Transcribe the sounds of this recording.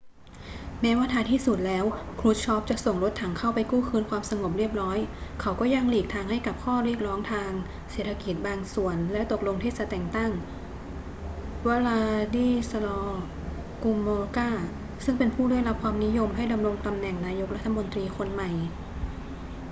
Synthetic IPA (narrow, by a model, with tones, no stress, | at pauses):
nɛː˦˥waː˧˥t̪ʰaː˧t̪ʰiː˥˩su˨˩t̪̚lɛː˦˥wkʰɾuː˦˥t̪̚t͡ɕʰɔ˦˥p̚t͡ɕa˨˩so˨˩ŋɾo˦˥t̪ʰːa˨˩˦ŋkʰa˥˩wpa˧jkuː˥˩kʰɯː˧nkʰwaː˧msa˧ŋo˨˩p̬̚ɾi˥˩əp̚ɾɔː˦˥jkʰa˨˩˦wkɔː˥˩ja˧ŋliː˨˩k̚t̪ʰaː˧ŋha˥˩jka˨˩p̚kʰɔː˥˩ɾi˥˩ək̚ɾɔː˦˥ŋt̪ʰaː˧ŋ | seː˨˩t̪ʰːa˧ki˨˩t̪̚baː˧ŋsu˨˩ənlɛ˦˥t̪o˨˩k̚lo˧ŋt̪ʰiː˥˩t͡ɕa˨˩t̪ɛː˨˩ŋt̪a˥˩ŋ | wa˧laː˧diː˥˩sa˧lɔː˧ | ku˧moː˧kaː˥˩ | sɯ˥˩ŋpe˧npʰuː˥˩da˥˩˨jla˦˥p̚kʰwaː˧mni˦˥jo˧mɦa˥˩jda˧mɾo˧ŋt̪a˧mnɛ˨˩ŋnaː˧jo˦˥k̚ɾa˦˥t̪ʰːa˧mo˧nt̪ɾiː˧kʰo˧nma˨˩j